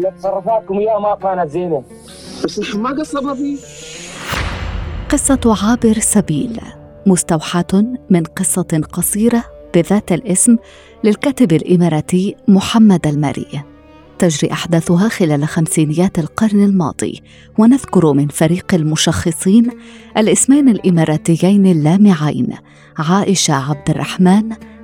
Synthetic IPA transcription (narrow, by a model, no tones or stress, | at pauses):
lɪt̪sɑrˤːɑfɑːkʊmjaːmakaːnat̪zeːna | asiħmaɡasˤɑbɑbi | qɨsˤːɑʕaːbɪɾsabḭːl | mʊst̪awħaːt̪mɪnqɨsˤːɑqɑsˤiːɾɑb̥ɪðaːt̪alʔɪsm | lɪlkaːt̪ɪbalʔɪmɑɾˤɑːt̪ɪjmʊħamːad̪alma̰ːɾɪ̰ː | t̪ad͡ʒɾḭːʔaħd̪aːθʊɦaːxɪlaːlaxamsiːnɪjːaːt̪alqɑɾˤnalmɑ̰ːd̪ˤḭː | wanaðkʊɾmɪnfaɾiːqalmʊʃɑxːɨsˤiːnʔalʔɪsmajnalʔɪmɑɾˤɑːt̪ɪjːajnɪlːaːmɪʕajn | ʕaːʔɪʃaʕab̚d̪ɪrˤːɑħmaːn